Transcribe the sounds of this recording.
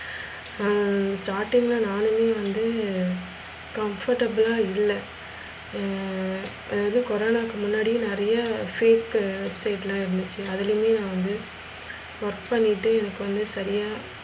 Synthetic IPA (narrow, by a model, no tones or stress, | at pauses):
asʈaːɾʈɪ̃ŋɡlãːnaːnɯmeːʋɐnd̪ɯ | kɐmfɐɾʈɐbɪlaːɪlːɛ | ʔɐðaðɯkɔɾoːnaːkːɯmʊnːaːɽij̃nɪɾɐjɐfeːkʋɛbsɐɪʈːlãːɪɾɯnd̪ɯt͡ʃːɯɐðɪlɯmeːnãːʋɐnd̪ɯ | ʋɐɾkpɐɳːɪʈːɯɛnɐkːɯʋɐnd̪ɯsɐɾɪjaː